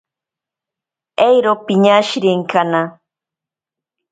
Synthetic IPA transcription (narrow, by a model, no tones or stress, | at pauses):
ejɾopɪɲaʃɾɪŋkana